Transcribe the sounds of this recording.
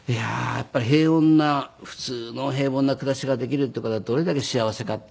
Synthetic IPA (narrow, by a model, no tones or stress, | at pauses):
ija̰ja̰pːaɾiɦe̞ːõ̞nːaɸɯ̟̥t͡sɨːno̞ɦe̞ːβõ̞nːakɯ̟d̪aɕiɡad̪e̞kʲiɾɯ̟t̪̬ːeɯkat̪ad̪o̞ɾe̞d̪ake̞ɕiaβ̞ase̞kat̪